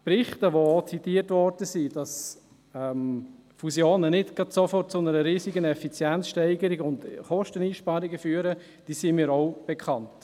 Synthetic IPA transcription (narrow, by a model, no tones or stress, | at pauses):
pɾɪχtəʋoot͡sitiːətʋɔɾd̥əsid̥ɑs | ɛmfusjoːnənɪtɡ̥ɑtsofɔrt̚t͡sʊnəɾəɾiːsiɡənɛfit͡sjɛnt͡sʃtɛɪɡəɾɪɡʊntχɔʃtəniːʃpɑɾɪɡəfyːəɾə | d̥iːsimiːɾɔʊb̥ekχɑnt